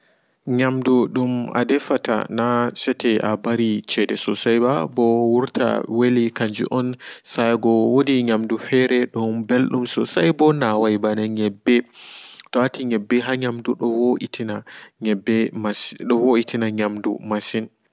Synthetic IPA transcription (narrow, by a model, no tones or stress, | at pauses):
ɲamduɗuma̰dɛfata̰nasɛtɛʔabaɾit͡ʃɛdɛsɔsajbabɔwuɾtʰa̰welikaɲd͡ʒṵʔɔnsajɡɔwodiɲamdufɛɾɛɗɔmbelɗumsɔsajbɔnawajbanɛɲɛbːɛtɔatiɲɛbːɛɦaɲamduɗɔwoʔitinaɛbɛmasɗɔwoitʰinaɲamdṵmasin